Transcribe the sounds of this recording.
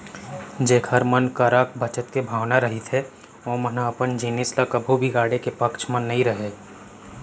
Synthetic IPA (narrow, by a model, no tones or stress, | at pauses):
d͡ʒeːkʰəɾmənkəɾak̚bət͡ʃət̪kebʱaːwnaɾəɦit̪ʰɦɛ | oːmənaəpənd͡ʒinɪsləkəbʱubʱiɡaːɽekepəkt͡ʃʰmənːɐɦĩɾəɦe